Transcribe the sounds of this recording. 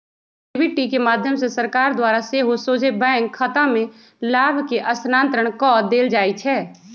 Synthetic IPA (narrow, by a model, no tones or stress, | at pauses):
ɪbɪʈikemaːd̪ʱjəmsesəɾkaːɾd̪waːɾaseɦosoːd͡ʒʱebɛ̃ːŋkʰːət̪ãmẽ | laːbʱkeʔɐsnãːnt̪ɾəɽ̃kɔːd̪eːld͡ʒaːit͡ʃʰɛː